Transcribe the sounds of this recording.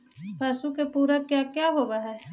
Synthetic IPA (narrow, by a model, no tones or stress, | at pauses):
paːsukepuːɾəkːjakjaːɦoːʋaɦɛː